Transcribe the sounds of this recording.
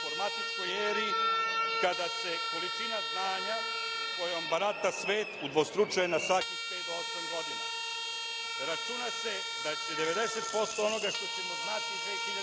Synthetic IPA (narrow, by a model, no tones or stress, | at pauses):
foɾmat̪it͡ʃkojeːɾikad̪ase̞ko̞lit͡ʃinaznaːɲa | ko̞jombaɾat̪asʋe̞ːt̪ud̪ʋost̪ɾut͡ʃajenasakit̪eid̪oosoiɡo̞d̪ine | ɾat͡ʃunase̞ | d̪at͡ɕed̪e̞ʋe̞d̪e̞set̪̚po̞st̪oono̞ɡaʂt̪o̞t͡ɕemoznaːt̪iuset̪in